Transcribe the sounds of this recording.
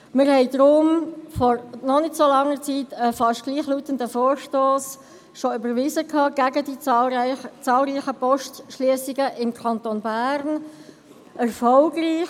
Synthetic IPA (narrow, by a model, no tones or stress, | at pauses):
mɪɾhɛɪd̥̪ɾʊmfɔɾnɔnɪtsolɑŋːəɾt͡siːtəfɑʃtɡ̥liːχluːtəndəfoːɾʃtoːs | ʃoʏbəɾʋizəkʰhɑːɡ̥æɡədi | t͡sɑːlɾiːxəpɔʃtʃliəsɪɡəʔɪmkʰɑnt̪onbæːɾn | ʔɛɾfɔlɡriː